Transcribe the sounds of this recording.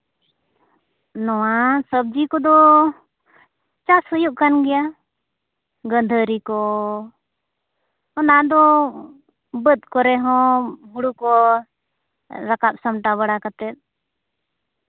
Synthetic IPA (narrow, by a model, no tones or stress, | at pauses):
nɔwasəb̚d͡ʒikɔd̪ɔ | t͡ʃashəjuʔ̚kanɡɛja | ɡənd̪ʱəɾikɔ | ɔnad̪ɔ | bət̪̚ˀkɔɾɛɦɔ̃ɦuɽukɔ | ɾakap̚samʈaβəɽakat̪ɛt̪̚ˀ